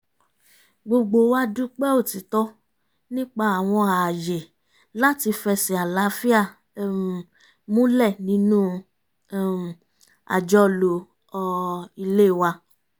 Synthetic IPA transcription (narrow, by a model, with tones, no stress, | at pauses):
ɡ͡bo˧ɡ͡bo˧˨˦wa˦du˦k͡pɛ˦o˦˨ti˨˦tɔ˦ | nĩ˦k͡pa˧a˨w̃ɔ̃˧a˨je˨ | la˦ti˧fɛ˧si˨a˨la˨˦fi˦a˦˨ | mũ˦lɛ˦˨nĩ˨˦nũ˦˨ | a̰˨d͡ʒɔ˦lo˨˧ | i˧le˦˨wa˧